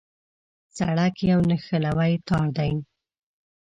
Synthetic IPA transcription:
t͡saɽakjawnəxəlawajt̪ɑɾd̪ajn

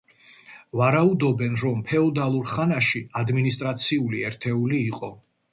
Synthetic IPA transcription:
vaɾaud̪ɔbɛnɾɔmpʰɛɔd̪alˠuɾχanaʃiad̪minist̪ʼɾat̪sʰiuliɛɾt̪ʰɛuliːqʼɔ

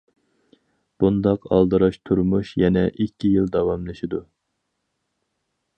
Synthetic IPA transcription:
b̥und̪ɑqɑ̰lˠd̪ɨɾɑʃt̪ʰuɾmuʃjɛnɛʔikʲʰːijilˠd̪ɑwɑmlˠɨʃid̪u

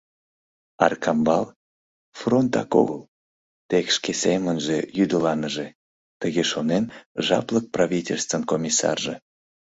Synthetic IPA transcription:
ɑrkʰɑmbɑl | front̪ɑ̰ko̰ɣəl | t̪ekʃkesemənʒejyd̪əlɑnəʒe | t̪əɣeʃonenʒɑ̰plək̚praβʲitʲelʲst̪vənkomʲisɑ̰rʒe

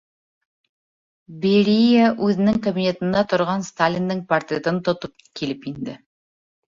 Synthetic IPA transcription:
beɾʲijaʔʉðɘ̆nɘŋkɐbʲinʲet̪ɤ̆nd̪ɑt̪ŏɾʁɑnst̪alʲind̪ɤŋpɐrt̪rʲet̪ɤnt̪ŏt̪op̚kilɘpind̪ɘ

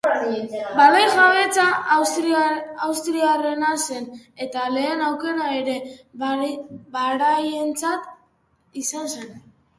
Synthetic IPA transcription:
barejʝaβe̞t͡sa | awst̪ɾiare̞nase̞ne̞t̪ale̞ːnawke̞ɾaeɾe̞ | baɾaje̞nt͡sat̪ | isanse̞n

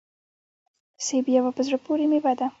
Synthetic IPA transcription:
sebjawapəzɽapoɾemewad̪a

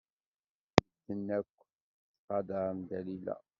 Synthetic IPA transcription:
əd̪ənːækʷː | θqɑd̪əɾˤəmd̪ælilæ̰

